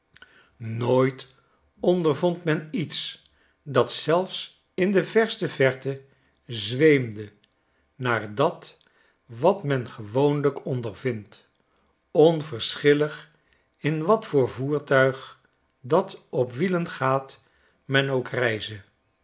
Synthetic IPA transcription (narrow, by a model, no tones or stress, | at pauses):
noːjt | ɔndəɹvɔntmɛnits | dɑtsɛlˠfs | ɪndəvɛɹstəvɛɹtə | zʋejmdə | naːɹdɑt | ʋɑtmɛnχəʋownləkɔndəɹvɪnt | ɔnvəɹsχɪləχ | ɪnʋɑtfʊːɹvuːɹtœɥχ | dɑtɔpʋilənχaːt | mɛnowkrɛjzə